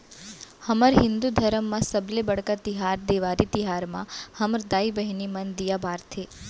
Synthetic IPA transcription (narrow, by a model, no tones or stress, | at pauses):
həməɾɦɪnd̪ud̪ʱəɾəmːãsəblebəɽkat̪ɪɦaɾd̪eʋaɾit̪ɪɦaɾmã̰həmɾd̪aːibəɦnimənd̪ijabʱaːɾt̪ʰe